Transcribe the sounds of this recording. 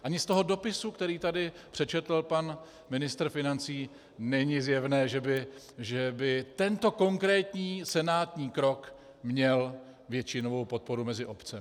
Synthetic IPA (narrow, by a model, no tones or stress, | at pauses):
ʔaɲɪst̪o̞ɦo̞do̞pɪsukt̪ɛɾiːt̪adɪ | pr̥ɛt͡ʃɛt̪l̩pan | mɪnɪst̪ɾfɪnant͡siː | nɛɲɪzjɛvnɛːʒɛbɪ | ʒɛbɪt̪ɛnt̪o̞ko̞ŋkɾɛːt̪ɲiːsɛnaːt̪ɲiːkɾo̞k | mɲɛl | vjɛt͡ʃɪnovo̞wpo̞t̪̚po̞ɾumɛzɪʔo̞pt͡sɛ